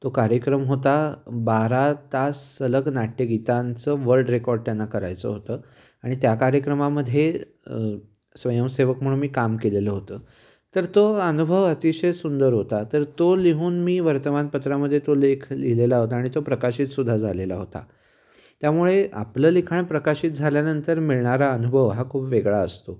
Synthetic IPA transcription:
t̪okaɾjəkɾəmɦot̪abaɾat̪asələɡnaʈʰːjəɡit̪ant͡səʋəɾɖɾekɔɾɖ̚t̪janːakəɾa̰jt͡sə̰ɦot̪əː | aɽ̃it̪jakaɾjəkɾəmaməd̪ʱːje | sʋəjəmseʋəkm̤uɭunmiːkamkeleləɦot̪əː | t̪əɾt̪oənubʱəʋət̪iɕəjsund̪əɾɦot̪at̪əɾt̪oliɦuːnmiːʋəɾt̪əmanpət̪ɾaməd̪ʱːjet̪olekʰlilelaɦot̪aːɽ̃it̪opɾəkaɕiːt̪sud̪ʱːad͡zʱalelaɦot̪a̰ | t̪jamuɭea̰pləːlikʰaɳpɾəkaɕiːt̪̚d͡zʱaljanənt̪əɾmiɭɳaɾaənubʱəʋɦakʰuːpʋeɡɭaəst̪o

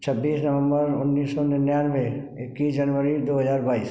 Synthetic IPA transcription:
t͡ʃʰəbːiːsnəʋə̃mbəɾʊnːiːsːonɪnjaːnʋe | ɪkːiːsd͡ʒənʋəɾid̪oːɦəzaːɾbaːḭːs

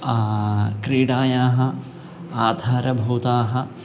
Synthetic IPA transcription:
kɾiːɽaːjaːɦɐ̆ | aːd̪ʱaːɾɐbʱɐwt̪aːɦɐ̆

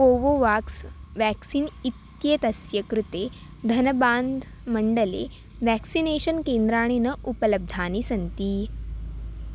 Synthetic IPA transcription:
oʋoʋaːksʋæksiːnit̪jet̪ɐsjəkɾut̪e | d̪ʱɐnbaːnd̪ʱ | məɳɖəlḛ | ʋæksineɕənkend̪ɾaːɽ̃inəʔupələb̚d̪ʱaːnisɐnt̪iː

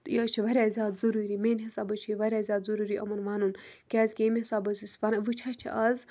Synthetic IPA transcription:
jɐt͡ʃʰiʋɐɾʲaːzʲaːd̪zuɾuːɾiːmeːnʲɦisaːbɐt͡ʃʰiʋɐɾʲaːzʲaːt̪zuɾuːɾiːʔɐmɐnʋaːnunkʲɛːzʲkʲemʲɦisaːbɐsʲisʲpɐnɐʋɨt͡ʃʰɐt͡ʃʰḭʔɐz

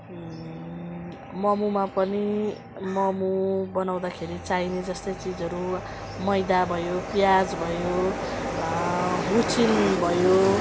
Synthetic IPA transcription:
mʌmumapʌni | mʌmubʌnaw̃d̪akʰeɾit͡sained͡zʌst̪ʌjt͡sid͡zʌɾu | mʌjd̪abʱʌjopjad͡zbʱʌjo | ɦut͡sʰinbʱʌjo

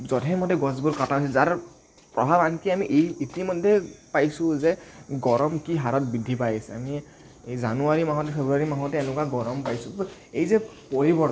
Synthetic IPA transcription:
zɔdʱɛmɔdɛɡɔz̬bʊɹkataɦosɛzaɹ | pɹɔ̰bʱabankiamiʔejitimɔdʱːɛpajsʊ̃zɛɡɔɹɔmkiɦaɹɔt̚bidʱːipajsɛa̰mi | ejzanuaɹimaɦɔtɛpʰebɹuaɹimaɦɔtɛɛnʊkaɡɔɹɔmpajsʊejzɛpoɹibɔ

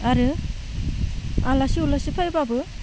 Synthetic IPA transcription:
aɾɯ | alasiulasipʰajbabɯ

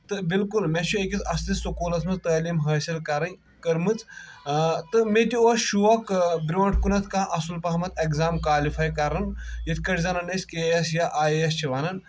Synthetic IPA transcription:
t̪ɨbilkulmet͡ʃʰuekʲit͡s̪ɐst̪issukuːlɐt̪ʰmɐt͡st̪əːliːmɦɐːsɐlkɐɾɐn | kɐɾmɨt͡s | t̪ɨmetʲioʃuʋɐkbɾoːʈʰkunɐt̪ʰkaːʔɐsulpɐɦmɐt̪ʰekzaːmkaːlifʰaːjkɐɾɐnjit̪ʰkɐʈʰʲzɐnɐnɐsʲkeːɐsjaʔaːjjɐst͡ʃʰiʋaːnɐn

